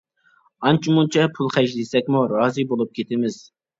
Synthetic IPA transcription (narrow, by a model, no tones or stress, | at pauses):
ɑnt͡ʃʰimunt͡ʃʰɛpʰulˠχæʃd̪isɛkʲmuɾɑːzɨbolˠup̚kʲʰet̪ʰɪmɪz̥